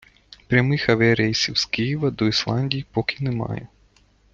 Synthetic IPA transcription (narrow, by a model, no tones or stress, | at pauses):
pɾʲamɨxɐvɛɾɛjsʲiwskʲijɛvɐd̪ɔislˠanʲdʲijpɔkʲinɛma̰jɛ̰